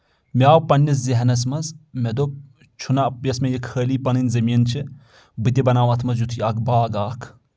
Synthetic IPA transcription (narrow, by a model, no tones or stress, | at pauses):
mʲaːwpɐnːis̬ziɦɐnɐs̬mɐsmed̪o | t͡ʃʰunɐpjɐsmejɐkʰːəːliːpɐnɨnʲzɐmiːnt͡ʃʰi | bɨt̪̬ʲibɐnaːwɐt̪ʰmɐs̬jut̪ʰujakbaːɡaːkʰ